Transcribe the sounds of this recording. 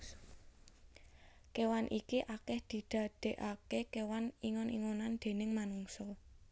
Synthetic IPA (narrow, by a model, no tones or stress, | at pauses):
kewanʔikiʔakɛhd̪̥i̤d̪̥ä̤d̪̥e̤ʔakekewaniŋɔnḭŋonand̪̥e̤nɪŋmanuŋsɔ